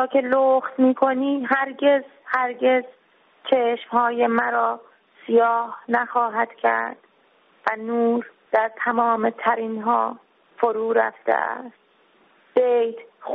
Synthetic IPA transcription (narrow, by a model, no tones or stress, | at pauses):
kʰeloxt̪miːkʰo̞niːɦæɾɟe̞zhæɾɟe̞z | t͡ʃʰeʃmhɒːjemæɾɒː | sijɒːhnæxɒːɦæd̪̥cʰæ̰ɾd̪̥ | vænuːɾd̪̥æɾt̪ʰæmɒːmet̪ʰæɾinɦɒː | foɾuːɾæ̰ft̪ḛʔæ̰st̪̚ | b̥ejt̪